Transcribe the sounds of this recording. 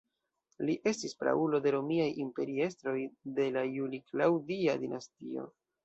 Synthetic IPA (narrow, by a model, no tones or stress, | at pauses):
liʔe̞stispɾa̰ulo̞de̞ɾo̞miajimpe̞ɾie̞stɾo̞jde̞lajuliklawdiadinastio̞̰